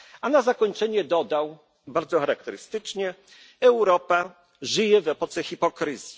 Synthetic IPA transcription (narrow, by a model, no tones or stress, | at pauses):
anazakɔɲt͡ʂɛɲɛd̪ɔd̪aw | baɾd̪zɔxaɾak̚t̪ɛɾɘst̪ɘt͡ʂɲɛ | ɛwɾɔpa | ʐɘjɛvɛpɔt̪sɛxipɔkɾɘzʲji